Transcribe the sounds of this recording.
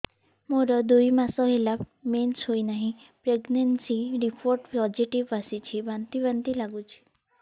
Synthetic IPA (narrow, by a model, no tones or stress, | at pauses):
moɾɔd̪ujmasɔɦela | mensɦojnaɦĩ | pɾeɡnensiɾipʰoɾʈpɔd͡ʒiʈiʋasit͡ʃʰibant̪ibant̪ilaɡut͡ʃʰi̥